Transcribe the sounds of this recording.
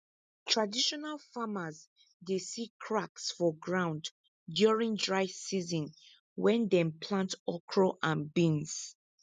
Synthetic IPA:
tʰɹadiʃɔnalfamaz | desikʰɹaksfɔɡɹãʊ̃nd | djuɹĩŋdɹaɪsizɔ̃n | wɛ̃ndɛ̃mpʰlãntɔkʰɹɔʔãnbĩns

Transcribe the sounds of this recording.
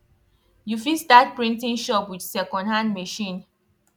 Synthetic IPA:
jufisdat̚pɹĩntĩŋʃɔpwidsɛkɔ̃ndhãndmeʃĩn

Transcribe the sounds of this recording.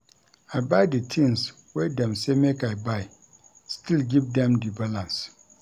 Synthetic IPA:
aɪbaɪdɨtʰĩns | wɛdɛ̃msemekaɪbaɪ | stʰilɡivdɛ̃mdibalãns

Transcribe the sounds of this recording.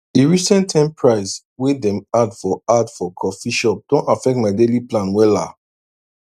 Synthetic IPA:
iɹisɛ̃ntʰãɪ̃mpʰɹaɪs | wedɛ̃madfɔadfɔkʰɔfiʃɔp̚d̥õntafɛk̚tmaɪdeliplãnwɛla̰

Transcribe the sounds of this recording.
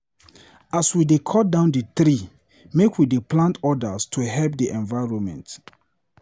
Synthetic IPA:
aswidekʰɔt̚dãʊ̃ndəθɾi | mekwideplãntɔdastʰuɦɛlp̚diʔɛ̃nvaɪɹɔ̃nmɛ̰̃nt

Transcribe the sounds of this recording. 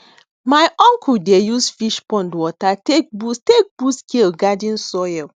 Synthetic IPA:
majʔɔ̃ŋkudejusfiʃpɔ̃ndwɔtatek̚bustek̚b̥uskʰelɡadĩnsɔjɛl

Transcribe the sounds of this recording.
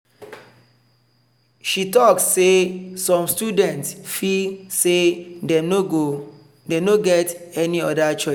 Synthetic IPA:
ʃitɔkssesɔ̃mstudɛ̃ntsfilsedenoɡo | denoɡɛtɛniɔdat͡ʃɔɪs

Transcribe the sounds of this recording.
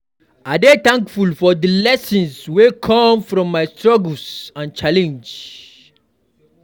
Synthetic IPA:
adetãŋkfulfɔdəlɛsĩnswekʰɔ̃mfɹɔ̃mːaɪstɹɔɡlsãnt͡ʃalɛ̃nd͡ʒ

